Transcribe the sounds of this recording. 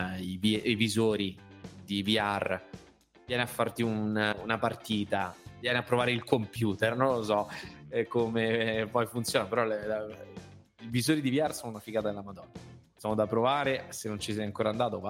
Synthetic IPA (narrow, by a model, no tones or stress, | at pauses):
iviivizoːɾid̪iviar | vjɛːneafːart̪iununapart̪iːt̪avjɛneapːɾovaːɾeilkompjuːt̪ernõnlːosɔkomepɔjfunt̪sjoːnapeɾɔl | ivizoːɾid̪iviarsoːnunafikaːt̪aelːamad̪ɔnːa | sɔːnod̪apːɾovaːɾesenːont͡ʃis̬ɛjaŋkoːɾand̪aːt̪ova